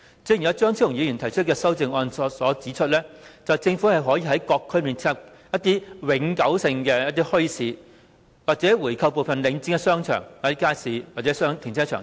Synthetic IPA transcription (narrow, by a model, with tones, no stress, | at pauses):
t͡siː˧˥ji˨˩jɐ˨˧wt͡ʃœː˥ŋt͡sʰi˥˩ʊ˨˩ŋjiː˨˧jy˨˩nt̪ʰɐ˨˩jt͡ʃʰɵ˥t̚kɛː˧sɐ˥wt͡sɪ˨ŋɔː˧nsɔ˨˧sɔː˨˥t͡siː˨˥t͡ʃʰɵ˥t̚lɛː˥t͡sɐ˨wt͡sɪ˧ŋfuː˨˥hɐ˨jɦɔː˨˥jiː˨˧ɦɐ˨˥jkɔː˧kʰːɵ˥miː˨nt͡sʰːp̚ | jɐ˥t̪iː˥wɪ˨˥ŋkɐ˨˥wsɪ˧ŋkɛː˧jɐ˥t̪̬̚iː˥hɵ˥ɥsiː˨˧ | waː˨˩t͡sɛː˨˥wuː˨˩jkʰɐ˧wpo˨wfɐ˨nlɪ˨˧˥ŋt͡sɪ˧˥kɛ˧sœː˥ŋt͡ʃʰœ̰ː˨˩ŋwaː˨˩tɛ˦˥kaː˥jsiː˨˧waː˨t̚t͡sɛ˨˦˥sœː˥ŋt̪ʰɪ˨˩ŋt͡sʰɛː˥t͡ʃʰœ̰ː˨˩